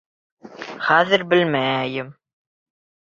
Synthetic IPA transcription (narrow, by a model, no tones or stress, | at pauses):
χæðɘɾbɘlmæjɪm